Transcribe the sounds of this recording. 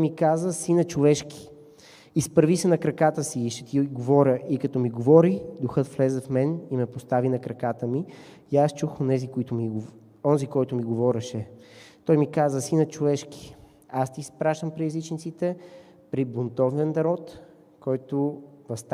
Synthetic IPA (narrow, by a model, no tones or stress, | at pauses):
mikazəsinət͡ʃovɛʃki̥ | ispəɾvisɛnɐkɾɐkat̪əsiːʃɛ̥t̪iɡovɔɾʲəʔikɐt̪ɔmiɡovɔɾid̪ʊxɤt̪flɛzəfmɛnimɛpost̪avinɐkɾɐkat̪əmi | iast͡ʃuxonɛzikoit̪ʊmi | ɔnzikɔjt̪ʊmiɡovɔɾʲəʃɛt̪ɔjmikazəsinət͡ʃovɛʃki̥ | ast̪ispɾaʃt̪əmpɾiɐzit͡ʃnit̪sit̪ɛ | pɾibʊnt̪ɔvnɛnːɐɾɔt̪ | kɔjt̪ʊvɐfst̪